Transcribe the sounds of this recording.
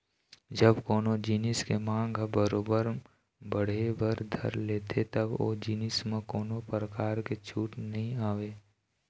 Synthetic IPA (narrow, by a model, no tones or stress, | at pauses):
d͡ʒəbkoːnod͡ʒinɪskemãːŋɡʱbəɾoːbəɾ | bəɽ̤ebəɾd̪ʱɐ̰ɾleːt̪ʰet̪ɐbo̰d͡ʒiːnɪsmẽkoːnopɾəkaːɾket͡ʃʰuːʈnɐɦĩaːʋeː